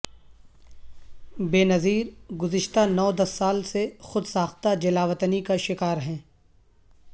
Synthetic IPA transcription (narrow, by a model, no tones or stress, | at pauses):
beːnɐziːɾɡʊzɪʃt̪anɔːd̪ɐsːaːlsexʊd̪saːxt̪ad͡ʒɐlaːʋət̪nikaʃɪkaːɾɦɛ̃ː